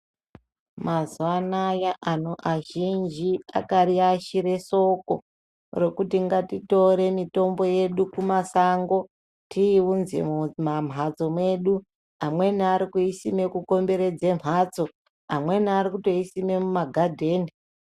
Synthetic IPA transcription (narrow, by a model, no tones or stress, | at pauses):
mazuanajaʔanoʔaʒind͡ʒia̰kaɾiaʃiɾe̞so̞ko̞̰ | re̞kutiŋɡatito̞ɾe̞mito̞mbo̞je̞ɗukumasaŋɡo̞ | tʰiːwunzḛmmam̤ɦat͡so̞mwe̞ɗu | amwe̞niaɾikuisime̞kuko̞mbe̞ɾe̞d͡zem̤aːt͡so̞ | amwe̞niaɾikuto̞isime̞mumaɡʱadʱe̞ːni